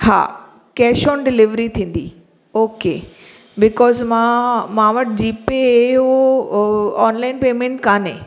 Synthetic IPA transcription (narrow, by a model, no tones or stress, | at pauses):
ha̰ː | kɛːʃõːnɖɪlɪʋɾit̪ʰĩːn̆d̪ḭ | oːke | bɪkɔːzmãmãːʋɐʈ̚d͡ʑiːpeɦo | ɔːnlaːɪnpeːmẽɳʈkãːnḛ̃